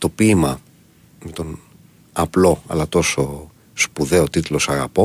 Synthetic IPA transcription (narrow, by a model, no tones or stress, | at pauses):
t̪o̞pimɐ | met̪o̞n | ɐplo̞ɐ̰lɐt̪o̞so̞ | spuðe̞ot̪it̪lo̞sɐɣɐpo̞